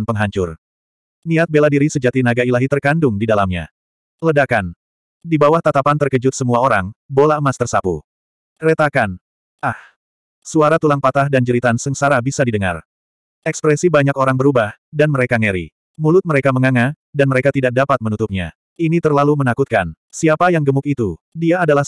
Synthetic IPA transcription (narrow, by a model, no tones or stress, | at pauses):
npəŋɦaɲt͡ʃʊr | niat̪̚beladiɾisəd͡ʒat̪inaɡailaɦit̪ərkandʊŋdidalamɲa̰ | lədakan | dibawaht̪at̪apant̪ərkəd͡ʒʊt̪̚səmuaoɾaŋbolaəmast̪ərsapṵ | kɾet̪akan | ah | suaɾat̪ulaŋpat̪ahdand͡ʒəɾit̪ansəŋsaɾabisadidəŋa̰r | ɛkspɾɛsibaɲakoɾaŋbəɾubahdanməɾekaŋeɾḭ | mulʊt̪̚məɾekaməŋaŋa | danməɾekat̪idak̚dapat̪̚mənut̪up̚ɲa̰ | init̪ərlalumənakut̪̚kan | siapajaŋɡəmʊkit̪u | diaːdalah